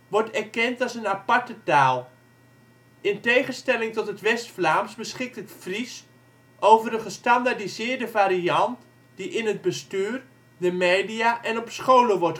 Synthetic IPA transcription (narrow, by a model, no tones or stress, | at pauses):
ʋɔɹtɛrkɛntalˠsənapaɹtətaːlˠ | ʔɪntejχənstɛlɪŋtɔtɦətʋɛstflaːmsbəsχɪk̚tətfris | ʔowvərəχəstandadizɪːɹdəvaːɾiɑnt | diʔɪnəd̚bəstyːr | dəmeːdiaʔɛnɔpsχowləʋɔɹt